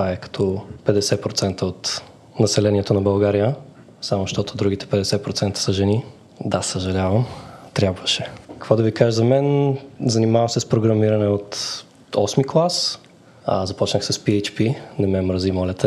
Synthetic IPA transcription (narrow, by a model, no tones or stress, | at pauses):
t̪vaɛkɐ̥t̪ʰɔpɛd̪ɛsɛpɾot̪sɛnt̪əot̪ | nɐsɛlɛniɛt̪onɐbɐlˠɡaɾijə | samoʃt̪ɔt̪od̪ɾuɡit̪ɛ̥pɛd̪ɛsɛpɾot̪sɛnt̪ə̥səʒɛni | d̪asəʒɐlʲavɐmt̪ɾʲjabvəʃɛkə̥kvɔd̪ɐvikaʒəzɐmɛnzɐnimavɐmsɛspɾoɡɾɐmiɾɐnɛot̪ | ɔsmiklˠas | ɐ̰zɐpɔt͡ʃnəxsɐspiɛt͡ʃpinɐmɛmɾəzimɔlʲɐt̪ʰɛ